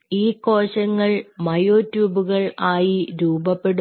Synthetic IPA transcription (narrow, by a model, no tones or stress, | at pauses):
iːko̞ːɕɐŋːɐɭmɐjoːtːjuːbuɣɐɭaːjiɾuːbɐpːe̞ɽu